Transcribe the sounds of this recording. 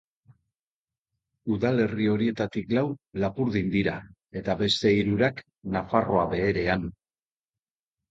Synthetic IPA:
uðale̞rio̞ɾie̞t̪at̪iklawlapuɾðind̪iɾa | e̞t̪aβe̞st̪e̞iɾuɾak | nafaro̞aβe̞ːɾe̞an

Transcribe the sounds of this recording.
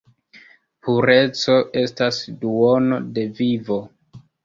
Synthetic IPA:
puɾe̞t͡so̞ʔe̞stasduono̞̰de̞vivo̞

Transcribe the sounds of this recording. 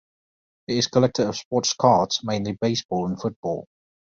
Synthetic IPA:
ɪtɪz̥kʰəlɛk̚tʰəɹəv̥spɔˑtskʰɑˑtz̥mẽɪ̃nlibeɪsb̥ɔːlə̃nfʊt̚b̥ɔ̰ːlˠ

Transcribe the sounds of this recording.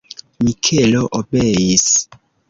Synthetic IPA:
mikʰeloʔobejis

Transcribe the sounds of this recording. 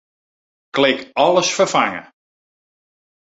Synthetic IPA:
klɪkɔləsfərfaŋə̰

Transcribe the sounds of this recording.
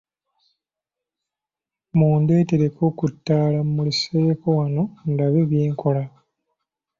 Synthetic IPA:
muːnde̞ːteɾekokutːaːlammulisekowano̞ndaβeβjeːŋkʰo̞la

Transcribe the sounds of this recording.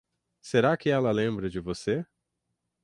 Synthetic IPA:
seɾakɪɛlɐlẽmbɾɐd͡ʒɪvose

